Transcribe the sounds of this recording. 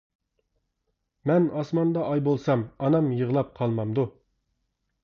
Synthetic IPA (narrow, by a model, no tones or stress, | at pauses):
mɛnɑsmɑnd̪ɑʔɑjbolˠsɑmɑnɑmjəʁlˠɑp̚qʰɑlˠmɑmd̪u